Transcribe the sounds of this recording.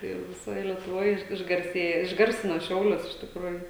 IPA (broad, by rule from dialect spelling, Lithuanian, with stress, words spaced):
ˈtɐɪ jɛʊ ʋʲɪˈsoːj lʲiɛtʊˈʋoːj ɪʃ ɪʒɡɐrʲˈsʲeːjoː ɪʒˈɡɐrʲsʲɪnoː ˈʃʲɛʊlʲʊs ɪʃ tʲɪkˈruːjʊ